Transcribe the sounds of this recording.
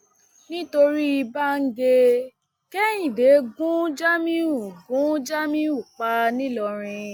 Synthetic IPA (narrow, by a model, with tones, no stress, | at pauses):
nĩ˦to˧ɾi˦i˧ba˦ŋ̩˦ɡe˧ | kɛ˦jĩ˨de˨˦ɡũ˦d͡ʒa˦mĩ˦ũ˨ɡũ˨˦d͡ʒa˦mĩ˦u˨k͡pa˦nĩ˦lɔ˧ɾ̃ĩ˧